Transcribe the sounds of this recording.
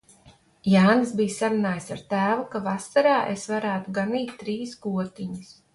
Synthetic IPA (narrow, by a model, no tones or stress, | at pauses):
jaːnɨs̬bijsaɾunaːjsaɾt̪æːvukavasaɾaːʔesvaɾæːt̪uɡaniːt̪tːɾiːsɡuɔt̪iɲis